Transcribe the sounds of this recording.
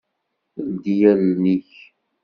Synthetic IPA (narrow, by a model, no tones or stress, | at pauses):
ld̪ijælniç